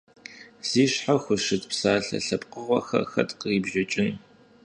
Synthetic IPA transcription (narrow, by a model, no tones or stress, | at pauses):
z̥iːɕħaxʷʊʃɨtpsaːɬɐ̰ɬɐpʼqəʁʷɔ̰xɐ̰xɐ̰tqiːbʒɐt͡ʃʼɪn